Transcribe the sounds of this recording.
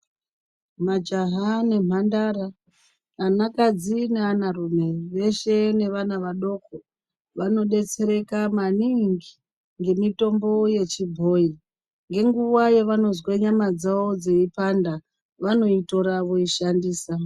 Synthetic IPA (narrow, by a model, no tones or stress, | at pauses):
mad͡ʒaɦane̞m̤andaɾa | anakad͡zineanarume̞ʋe̞ʃe̞ne̞ʋanaʋaɗo̞ːko | ʋano̞ɗe̞t͡se̞ɾe̞kamaniŋɡi | ŋɡe̞mito̞mbo̞je̞t͡ʃibʱo̞ːi | ŋɡe̞ŋɡuwaje̞ʋano̞zweɲamad͡zaod͡ze̞ipanda | ʋano̞ito̞ɾaʋoiʃandiːsa